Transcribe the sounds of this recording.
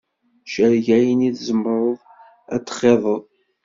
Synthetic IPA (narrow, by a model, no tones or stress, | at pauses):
ʃəɾʝæjəniθzəmɾˤoðˤ | æ̰t͡sːχeðˤəðˤ